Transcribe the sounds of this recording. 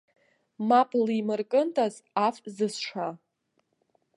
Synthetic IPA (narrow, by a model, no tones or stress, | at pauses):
mapʼlimɨrkʼɨntʼazafzɨsʂʷa